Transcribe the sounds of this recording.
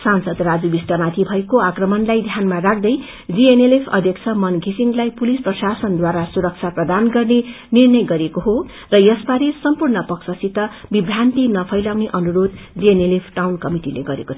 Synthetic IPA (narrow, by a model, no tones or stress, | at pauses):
sansʌd̪rad͡zubisʈʌmat̪ʰibʱʌekoakrʌmʌnlajd̪ʱjanmarak̚ʰd̪ʌj | d͡zienelepʰʌ̰d̪ʱjʌkt͡sʰʌmʌnɡʱisiŋɡlajpulisprʌsasʌnd̪waɾasuɾʌk̚t͡sʰaprʌd̪anɡʌrne | nirnʌjɡʌɾekoɦo | rʌjʌsbaɾesʌmpurnʌpʌksʌsit̪ʌbibʱrant̪inʌpʰʌjlawneʔʌnuɾod̪d͡zienelepʰʈawnkʌmiʈilḛɡʌɾḛko